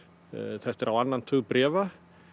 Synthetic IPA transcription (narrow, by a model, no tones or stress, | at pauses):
θɛht̪ɛɾawanːant̪ʰuɣpɾɛːva